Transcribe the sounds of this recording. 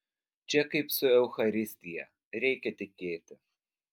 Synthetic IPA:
t͡ʃʲɛkɐɪpsʊɛʊxɐɾʲɪsʲt̪ʲɪjɛ | ɾʲɛɪkʲɛt̪ʲɪkʲeːt̪ʲɪ

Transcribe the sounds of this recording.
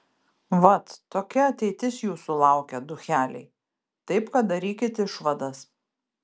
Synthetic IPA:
ʋɐt̪t̪oːkʲɛɐt̪ʲɛɪt̪ʲɪsjuːsʊlˠɑˑʊkʲɛd̪ʊxʲæːlʲɛ̰ɪ | t̪ɐɪpkɐt̪̚d̪ɐɾʲiːkʲɪt̪ʲɪʃʋɐd̪ɐs

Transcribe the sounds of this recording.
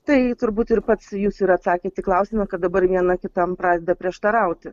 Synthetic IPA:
t̪ɐɪt̪ʊɾbuːt̪ɪɾpɐt̪sjuːsɪɾɐt̪sɑːkʲeːt̪ʲɪklˠɐʊsʲɪmɐkɐt̪̚d̪ɐbɐɾʋʲiɛnɐkʲɪt̪ɐmpɾɑːd̪ʲɛd̪ɐpʲɾʲiɛʃt̪ɐɾɐʊt̪ʲɪ

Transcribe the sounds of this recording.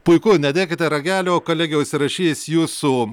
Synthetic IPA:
pʊɪkʊnʲɛd̪ʲeːkʲɪt̪ʲɛɾɐɡʲæːlʲoːkoːlʲæːɡʲɛʊsʲɪɾɐʃʲiːsjuːsu

